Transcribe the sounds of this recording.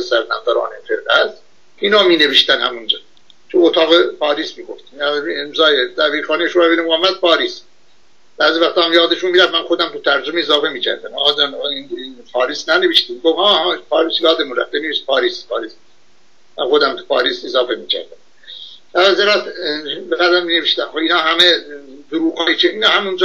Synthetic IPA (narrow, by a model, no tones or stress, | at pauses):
esæɾnæ̰md̪æɾɑ̰ːnefeɾʁæz | iːnɑːmiːneviʃt̪ænhæ̰mund͡ʒɒː | t͡ʃʰuot̪ʰɑːɣepʰɑːɾiːsmiːɡoft̪imæemzɑːjed̪æbiːɾxɑːneʃombenimɡɑːmːæd̪̚pʰɑːɾiːs | b̥æːzivæxt̪ɑːmjɑːd̪eʃunmiːɾæfmænxod̪æmt̪ut̪ʰæɾd͡ʒomeezɑːfemiːcʰæ̰ɾd̪æmɑ̰ːɣɑd͡ʒɑnipʰɑːɾiːsnæneviʃt̪iːmɡovhɑːhɑpʰɑːɾiːsjɑːd̪emunræ̰ft̪eniist̪̚pʰɑːɾiːspʰɑ̰ːɾiːs | mæ̰nxod̪æmt̪u̥pʰɑ̰ːɾiːsezɑːfe̞miːcʰæ̰ɾd̪æm | ʔæzeɾɑt̪beɣæd̪æɾmineveʃt̪æmxoinɑːɦæmed̪uɾuːxɑːit͡ʃʰeiːnɑːhæmund͡ʒ